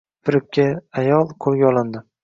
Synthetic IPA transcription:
pʰɪɾɪp̚kʲʰːaajɒlˠqʰolˠɡʲaɒlˠɪnd̪ɪ

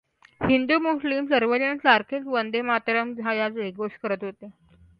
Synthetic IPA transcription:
hind̪umuslimsəɾʋəd͡ʑənsaɾkʰet͡sʋənd̪emat̪ɾəmd͡zʱajat͡sʋeɡoʂkəɾət̪ɦot̪e

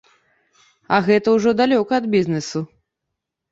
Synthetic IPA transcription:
ɐɣɛt̪ɐwʐɔd̪alʲɔkɐɐd̪bʲiznɛsu

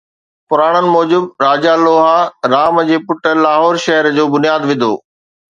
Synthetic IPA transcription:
pʊɾaːɽ̃ənɪ̆mɔːd͡ʑʊbɾaːd͡ʑaloːɦaɾaːməd͡ʑeːpʊʈəlaːɦɔːɾʃɐɦəɾd͡ʑoːbʊnijaːd̪ʋɪ̃nd̪o̰ː

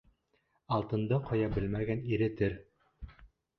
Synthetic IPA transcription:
ɑlˠt̪ɤ̆nd̪ɤqʰɤ̆jɑbɘlmæɡæniɾɘt̪ɘɾ

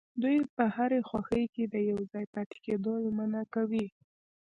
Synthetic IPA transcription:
d̪ujpəhaɾexwaxəjked̪əjawd͡zɑjpat̪e̥ked̪ojmanakawi

